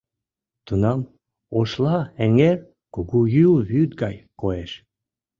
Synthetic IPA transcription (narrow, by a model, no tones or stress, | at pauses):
t̪unɑm | oʃlɑeŋer | kuɣujylβyt̪̚ɡɑjkoeʃ